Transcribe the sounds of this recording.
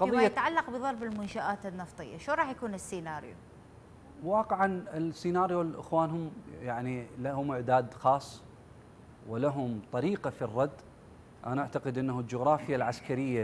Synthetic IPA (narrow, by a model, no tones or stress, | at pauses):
qɑðˤɨjjːat̪ʕalːɑqbɨðˤɑɾˤbɪlmʊnʃaʔaːt̪ɪnːɑft̪ˤɨ̰jːa̰ʃoːnɾˤɑːħjakuːnɪsːinaːɾjo̰ | wɑːqɪʕanɪlsːinaːɾjolʔɪ̰xwaːnɦʊmjaʕnilahʊmʔɪʕd̪aːd̪xɑːsˤː | wɪlaɦʊmt̪ˤɑɾiːqafirˤːɑd̪ː | ʔa̰naʔaʕt̪aqɪd̪ʔɪnːahuld͡ʒʊɣɾˤɑːfɪjːalʕaskaɾɪjːa